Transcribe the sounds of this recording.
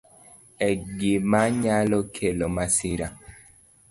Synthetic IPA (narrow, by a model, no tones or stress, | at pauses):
ɛɡimaɲalokʰelomasiɾa